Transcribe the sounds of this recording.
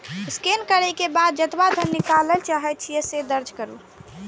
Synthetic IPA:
skenkəɾɛkebad̪̚d͡ʒət̪bad̪ʱənːikalɛlt͡ʃaɦɛt̪̚t͡ʃʰijɛsed̪əɾd͡ʒʱkəɾu

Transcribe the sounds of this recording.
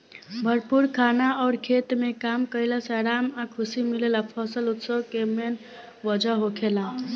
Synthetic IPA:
bʱəɾpuɾkʰanaɔːɾkʰet̪mekamkəjlasaɾamakʰusimilelapʰəsəlut̪səbkemen | ʋəd͡ʒʱəɦokʰelã

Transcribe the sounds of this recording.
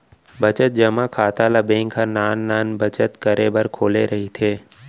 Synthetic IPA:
bət͡ʃət̪̚d͡ʒəmãkʰaːt̪alabẽːŋkʰanaːnːaːnbət͡ʃət̪kəɾebəɾkʰoːleɾəɦit̪ʰeː

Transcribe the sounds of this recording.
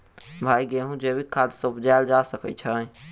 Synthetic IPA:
bʱaiɡeɦũd͡ʒebikʰːad̪səbd͡ʒald͡ʒasəkə̰t͡ʃʰə

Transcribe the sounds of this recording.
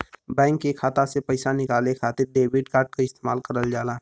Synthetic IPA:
bɛ̃ːŋkːekʰaːt̪asepəɪsanɪkaːlekʰaːt̪ɪɾɖeːbɪɖkaːɾɖ̚kaɪst̪eːmaːlkəɾəld͡ʒaːlaː

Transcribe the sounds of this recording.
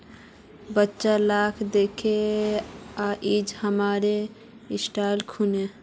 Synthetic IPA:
bətːʃalaːkʰd̪ekʰe | aʔid͡ʒhəmaːɾe | ɪsʈalkʰune

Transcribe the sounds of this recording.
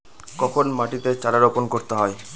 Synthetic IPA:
kɔkʰonmaʈit̪et͡ɕaɾaɾoponkoɾt̪eɦɔe

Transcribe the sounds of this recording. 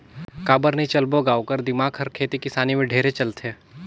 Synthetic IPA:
kaːbəɾnit͡ʃɐlboɡaːokəɾd̪ɪmaːɡɦɐɾkʰeːt̪ikɪsaːnimẽɖʱeːɾet͡ʃɐlt̪ʰeː

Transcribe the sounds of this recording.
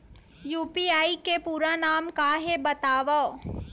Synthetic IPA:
juːpiaːikepuːɾanaːmkaɦebɐt̪aːʋa

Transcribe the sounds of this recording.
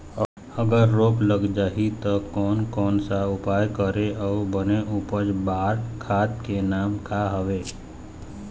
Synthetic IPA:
əɡəɾːoːkləɡd͡ʒaːɦit̪ɔkɔːnkɔːnsaʊpaːjkəɾeɔːbəneʔʊpəd͡ʒbaːɾkʰaːt̪kenaːmkaɦəʋeː

